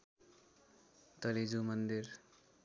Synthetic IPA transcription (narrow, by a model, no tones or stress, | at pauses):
t̪ʌlid͡zumʌnd̪ir